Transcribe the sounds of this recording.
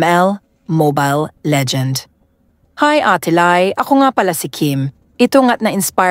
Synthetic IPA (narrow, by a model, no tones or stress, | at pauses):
ɛl | mobajlːɛd͡ʒɛ̃nd̪ | hajʔat̪ʰɪlajʔɐkoŋapɐlasɪkʰim | ʔɪt̪oŋat̪̚nɐɪnspa